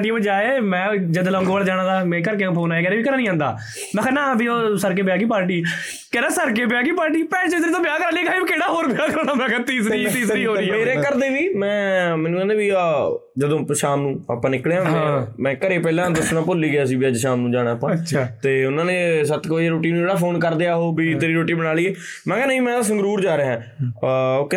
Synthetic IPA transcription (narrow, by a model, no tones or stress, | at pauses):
ʈiːbəd͡ʒaːeːmɛ̃ːd͡ʒəd̪lɔ̃ːŋɡʋəɽd͡ʒaːɽãːd̪aːmɛ̃ːkəɾk̬eãːpʰoːnaːeːkɛːɾeːʋiːkəɾaːnĩːãːnd̪a̰ː | nãːkʰɛːnãːbʱioːsəɾk̬eːpɪjaːkiːpaːɾʈiː | kɛːɾãːsəɾk̬eːpɪjaːk̬iːpaːɾʈ̬iːpɛːt͡ʃəsɾiːt̪õːbɪjaːkəɾãːliːkaːiːbkeːɽaːɦoːɾbeaːkonãːmãːkɛt̪iːsiːt̪iːsɾiːɦoːɾiːmeːɾẽːkəɾd̪eːʋiːmɛ̃ːmɛ̃ːnũːkɛ̃ːnd̪eːbiː | d͡ʒəd̪õːpʃaːmnũːa̰ːpãːnɪkɽeːãmɛ̃ːkəɾeːpɛːlãːd̪ʊsnãːpʊliːɡaːs̬iːbɪaːd͡ʒʃaːmnũːd͡ʒaːɽ̃ãːapãːt͡ʃʰːt̪eːʊnãːnẽsət̪koeːɾoːʈiːnũːd͡ʒeːɽaːpʰoːnkəɾd̪eaːɦoːbiːt̪ɾiːɾoːʈiːbənaːliːeːmɛ̃ːkɛːnəɦĩːmɛ̃ːt̪as̬ə̃ŋɡɾuːɾd͡ʒaːɾeːɦɛ̃ː | k